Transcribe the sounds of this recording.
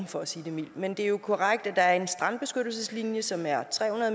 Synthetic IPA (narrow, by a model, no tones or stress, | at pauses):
mfɒ̽æsiːd̥e̝mil̰mend̥e̝æɐjo̝kʰoʁaɡ̥̚d̥æd̥ɑ̈æɐe̝nsd̥ʁɑ̈n̰d̥̚b̥e̝sɡ̥ød̥l̩səslinjəsɒ̽mæɐt͡sʰʁɛ̰ːunɐð̩ˠ